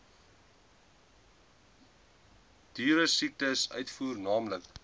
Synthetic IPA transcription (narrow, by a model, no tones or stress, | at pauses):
d̥yːɾəsik̚təsœ̰ɥtfuːrnɑːmlək